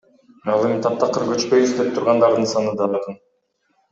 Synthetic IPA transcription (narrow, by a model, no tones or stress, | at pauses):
ɑlˠe̞mint̪ʰɑp̚t̪ʰɑqɯɾɡøt͡ʃpø̞jyzd̪e̞p̚t̪ʰuɾʁɑnd̪ɑɾd̪ɯnsɑnɯd̪ɑːjqɯn